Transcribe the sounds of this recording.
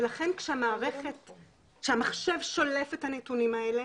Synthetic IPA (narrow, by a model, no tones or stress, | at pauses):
elaχe̞nkʃeamaːʁeχet | ʃeamaχʃe̞vʃo̞lefethanetunimaele